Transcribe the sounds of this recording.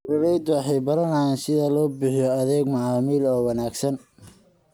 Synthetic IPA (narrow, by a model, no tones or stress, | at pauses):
rʊɾɛjd̪ʊwɑħɑjbɐɾɐnɐjaːnsɪðɐlɔːbɪħijɔɐðɛːɡmɐʕɑːmiːlɔːwɑnaːɡsɐn